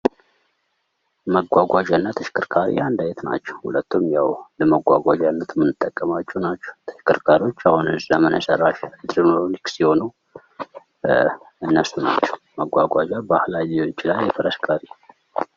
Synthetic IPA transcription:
məɡʷaɡʷad͡ʒanːat̪ʰəʃkʰɨɾkʰaɾḭand̪ajɛt̪na̰t͡ʃːɛwhṵlət̪ːumjawləməɡʷa̰ɡʷad͡ʒanːət̪mɨnːɨt̪ʼːəkʼːəmat͡ʃːɛwnat͡ʃːɛ̥wt̪ʰə̥ʃkɨɾkʰaɾio̞t͡ʃːahunɨzləmɨnə̰sərːaʃd̪ɾnololiksiho̞nuw | ɨnːəsuna̰t͡ʃːɛ̥w | məɡʷaɡʷad͡ʒabahlaloɲt͡ʃɪlajːɛfəɾəskʰaɾi

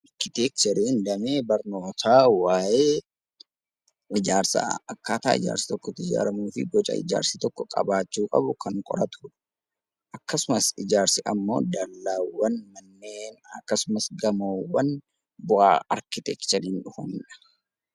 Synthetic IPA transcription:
ɐɾkɪt̪ɛk̚t͡ʃɛɾiːnd̪ɐmeːbɐɾnoːt̪aːwaːjeː | ɪd͡ʒaːɾsɐ̰ɐkːaːt̪a̰ːɪ̰d͡ʒa̰ːɾsɪ̥t̪ɔkːɔt̪ɪd͡ʒa̰ːɾɐmuːfɪ̰ɡɔt͡ʃʼɐ̰ɪ̰d͡ʒa̰ːɾsɪt̪ɔkːɔkʼɐ̰baːt͡ʃːuːkʼɐ̰bʊkʰɐŋkʼɔ̰ɾɐt̪ʊᶑʊ̥ | ʔɐkːɐsʊmɐsɪd͡ʒaːɾsɪʔɐmːo̞̰ːd̪ɐlːaːwɐnmɐnːeːnɐkːɐsʊmɐsɡɐmoːwɐn | bʊa̰ːɐ̰ɾkɪt̪ɛkt͡ʃɐɾiːnᶑʊhɐmᶑɐ̥

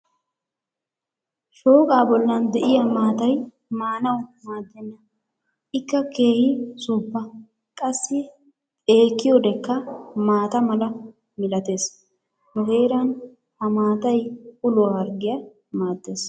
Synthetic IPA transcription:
ʃo̞ːkʼaːbɔlːɐnd̪ɛʔɪjɐmaːt̪ɐj | maːnɐwmaːd̪ːɛnːɐ | ɪkːɐke̞ːhɪsuːpːɐ | kʼɐsːɪ | eːkːɪjɔd̪ɛkːɐmaːt̪ɐmɐlɐ | mɪlɐt̪e̞ːs | mʊhe̞ːɾɐn | hɐmaːt̪ɐjʊloːhɐɾɡɪjɐ | maːd̪ːe̞ːs

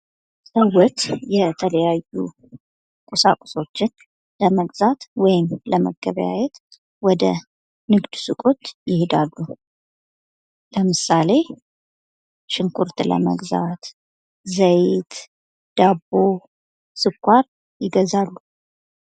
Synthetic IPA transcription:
sʼəwɔt̪jɛt̪ʰələjajṵ | kʼusa̰kʼɔ̥so̞t͡ʃːɪn | ləməɡzat̪wɔjɪmləmə̰ɡːə̰βəja̰jɛt̪ | wɔd̪ə̰ | nɨɡd̪sɨkʼot̪jɪhed̪alːu | ləmɨsale̞ | ʃɨŋkʰuɾt̪lə̰mə̰ɡza̰t̪ | zəjt̪ | d̪̥abo | sɨkʷʰaɾ | jɪɡəzalːu

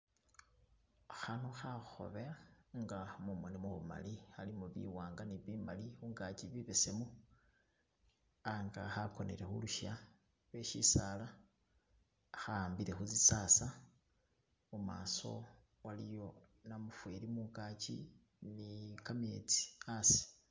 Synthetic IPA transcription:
xanoxaxo̞̰βeaŋɡamumwenimuβṵma̰lixalimuβḭwaːŋɡaniβimalixuːŋɡat͡ʃiβiβesemu | aŋɡaxako̞neɾe̞xṵluʃa | lweʃisala | xaːmbiɾe̞xuzisasa | muma̰ːso̞̰ | walijo̞ | namufweɾimuŋɡat͡ʃḭ | nikame̞t͡si̥asi̥

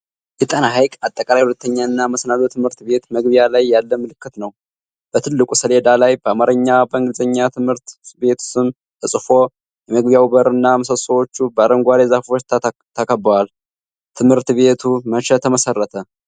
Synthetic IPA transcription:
jɛt̪ʼənaɦajkʼat̪ʼːəkʼalajhulət̪ʰːəɲːaɨnːaməsnalot̪ʰɨmhɨɾt̪be̞t̪məɡbjalajːalːəmːɨlɨkːɨt̪nəw | b̥ət̪ʰɨlːɨkʼusəle̞d̪alajbəamaɾəɲːabəɨŋɡɨzəɲːat̪ʰɨmhɨɾt̪be̞t̪ʰu̥sɨn | t̪ʰəsʼɨfo̞ | jɛməɡbjawubəɾɨnːaməsəsowo̞t͡ʃːubəaɾəŋɡʷaɾezafo̞t͡ʃːt̪ʰəkʰəbwal | t̪ʰɨmhɨɾt̪be̞t̪ʰuməʃɛt̪ʰːəməsərːət̪ʰə

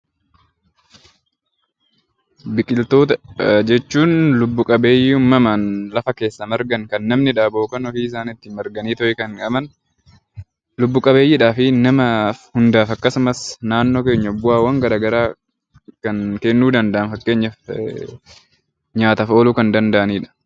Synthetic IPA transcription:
bɪkʼɪlt̪o̞ːt̪ɐd͡ʒɛt͡ʃːuːnlʊbːʊkʼɐbe̞ːjːɪʊmːɐmanlɐfɐke̞ːsːɐmɐɾɡɐŋkɐnːɐmnɪᶑaːboːkɐnɔfiːɪs̬aːnɪt̪ːɪmɐɾɡɐniːt̪ɔʔɪkɐnkʼɐmɐn | lʊbːʊkʼɐbeːjɪᶑaːfɪnɐmɐfhʊnd̪aːfɐkːɐsʊmɐsnaːnːo̞ːke̞ːɲːɐbʊaːwɐŋɡɐɾaːɡɐɾaː | kɐnkɛnːuːd̪ɐnd̪ɐʔɐnfɐkːe̞ːɲːɐf | ɲaːt̪ɐfo̞ːluːkɐnd̪ɐnd̪ɐʔɐniːᶑɐ̥

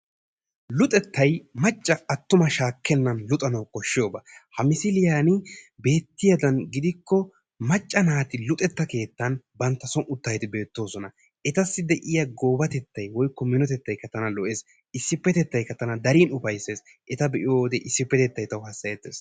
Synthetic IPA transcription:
lʊt̪ʼɛt̪ːɐjmɐt͡ʃʼːɐɐt̪ːʊmɐʃaːkʰːɛnːɐnlʊt̪ʼɐnɐwkʼɔʃːɪjoːbɐhɐmɪsɪlɪjaːnɪbe̞ːt̪ːɪjɐd̪ɐnɡɪd̪ɪkːɔ | mɐt͡ʃʼːɐnaːt̪ɪlʊt̪ʼɛt̪ːɐke̞ːt̪ːɐnbɐnt̪ːɐsɔnʊt̪ːɐjt̪ɪbe̞ːt̪ːo̞ːsɔnɐ | ʔɛt̪ɐsːɪd̪ɛʔɪjɐɡo̞ːbɐt̪ɛt̪ːɐjwɔjkːɔmɪnɔt̪̬ɛt̪ːɐjkɐt̪ːɐnɐlɔʔeːs | ɪsːɪpːɛt̪ɛt̪ːɐjkɐt̪ːɐnɐd̪ɐɾiːnʊfɐjse̞ːs | ʔɛt̪ɐbɛʔɪjoːd̪ɛʔɪsːɪpːɛt̪ɛt̪ːɐjt̪ɐwhɐsːɐjɛt̪ːḛːs

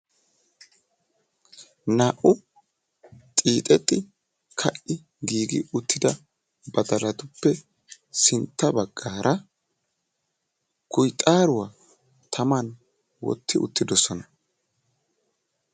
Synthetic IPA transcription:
naːʔʊ | t̪ʼiːt̪ʼɛt̪ʼːɪ | kʰɐʔɪ | ɡiːɡɪ̰ʊt̪ːɪd̪ɐ | bɐt̪ɐlɐt̪ʊpːɛ | sɪnt̪ːɐbɐɡːaːɾʔɐ | kʊjt̪ʼaːɾʊwa | t̪ʰɐmɐn | wɔ̰t̪ːɪʔʊ̰t̪ːɪd̪ɔsɔnɐ

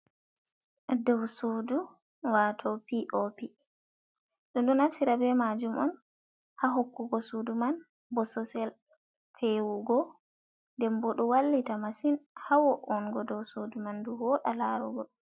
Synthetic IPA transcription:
dɔwsudu | watʰɔpiʔopi | ɗɔnɗɔnafsiɾabɛmad͡ʒumɔm | haɦokːuɡɔsuduman | bɔsɔsɛl | fʰewuɡɔ | ndɛmbɔɗɔwalːitamasinhawɔʔɔnɡɔdɔwsudumanduhɔɗalaɾɔɡɔ

